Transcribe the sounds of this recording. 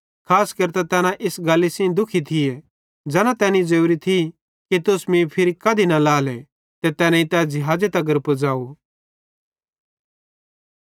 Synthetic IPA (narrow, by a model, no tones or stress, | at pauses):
kʰaːskɐɾt̪ɛt̪ɛːnãʔɪsɡaːlːisĩd̪ʊkʰit̪ʰɪe | d͡ʒɛːnãt̪ɛːnĩd͡ʒeuɾit̪ʰi | kit̪ʊsmĩpʰɪɾikɐd̪ʱinɐlaːle | t̪et̪ɛːnãĩt̪ɛːd͡ʒɪɦaːd͡ʒet̪ɐɡəɾpəd͡zaːo